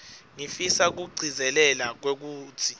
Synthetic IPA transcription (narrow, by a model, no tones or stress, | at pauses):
ŋifisak̬uɡ͡ǀʱizɛlɛlak̬wek̬uːtʰi